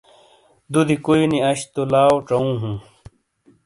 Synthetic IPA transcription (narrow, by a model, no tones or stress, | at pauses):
d̪ud̪ikuiniɐɕt̪olaːwʈ͡ʂɐũːɦũː